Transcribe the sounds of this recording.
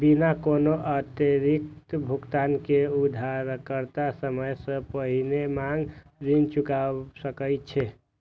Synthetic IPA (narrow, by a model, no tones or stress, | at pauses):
binakonoʔət̪eɾik̚t̪bʱukt̪ankeud̪ʱaɾkəɾt̪asəməjsə̃pəɦinemaŋɡ | ɾint͡ʃukasəkəjt̪t͡ʃʰɛ